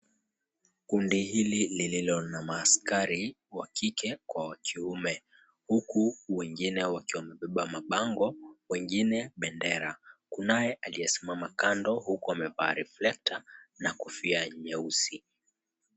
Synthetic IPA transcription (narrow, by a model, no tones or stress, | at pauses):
kundihililililɔnamaːskaɾi | wakikɛkwawakʰiumɛ | hukuwɛŋɡinɛwakiwamɛɓɛɓamaɓaŋɡɔwɛŋɡinɛɓɛndɛɾakunajɛʔaliɛsi̥mamakandɔhukuamɛvaːɾɛflɛk̚tʰanakufiaɲɛusi